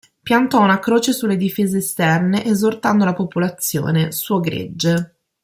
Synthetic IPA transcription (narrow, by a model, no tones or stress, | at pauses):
pjant̪ɔunakɾoːt͡ʃesulːed̪ifeːzeːst̪ɛrneʔezort̪and̪olapopolat̪sːjo̰ːnesuoɡɾḛd͡ʒːe